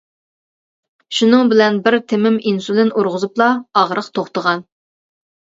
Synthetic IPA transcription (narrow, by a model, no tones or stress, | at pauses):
ʃunɨŋbɪlɛnbɪɾt̪ʰɪmɪminsulɪnuɾʁʊzuplˠɑɑʁɾəqt̪ʰoχt̪əʁɑn